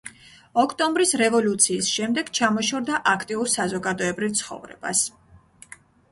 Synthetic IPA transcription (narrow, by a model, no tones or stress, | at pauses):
ɔkʰt̪ʼɔmbɾisɾɛvɔlut̪sʰiːsʃɛmd̪ɛɡ̥t͡ʃʰamɔʃɔɾd̪aʔakʰt̪ʼiuɾsazɔɡad̪ɔɛbɾivt̪sʰχɔ̰vɾɛ̰b̥a̰s